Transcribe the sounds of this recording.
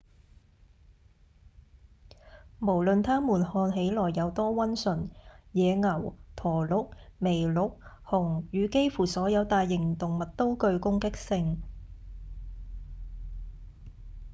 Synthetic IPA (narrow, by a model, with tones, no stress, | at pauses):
mo˨˩wlɵ˨nt̪ʰaː˥muː˨˩nhɔː˧nɦe˨˥jlɔː˨˩jːɐ˨˧wt̪ɔː˥wɐ˥nsɵ˨˩njɛː˨˧ŋɐ˨˩wt̪ʰɔː˨˩lʊ˨˥k̚me˨˩jlʊ˨˩k̚hʊ˨˩ŋjyː˨˧ke˥jfuː˨˩sɔː˨˥jɐ˨˧wt̪aː˨jːɪ˨˩ŋt̪ʊ˨ŋmɐ˨t̚t̪o˥wkɵ˧ɥkʊ˥ŋkɪ˥k̚sɪ˧ŋ